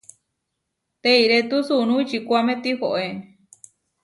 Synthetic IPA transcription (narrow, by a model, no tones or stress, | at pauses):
t̪eiɾet̪usunũit͡ʃikʷamẽt̪ihoʔe